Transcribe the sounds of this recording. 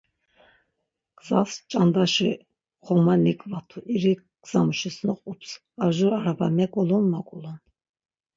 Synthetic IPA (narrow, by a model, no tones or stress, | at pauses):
ɡ̥z̥ast͡ʃʼand̪aʃi | χɔmanikʼvat̪ʰuʔiɾi | ɡ̥z̥amuʃisnɔqʼupʰs | aʒuɾaɾabamɛkʼɔlɔnmakʼulɔn